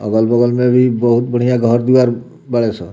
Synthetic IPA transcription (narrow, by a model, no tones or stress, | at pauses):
ɔ̰ɡɔlbɔɡɔlmẽbibɔɦut̪bɔɽ̤̃ijaɡʱɔɾd̪iwaɾ | baɭesʰɔ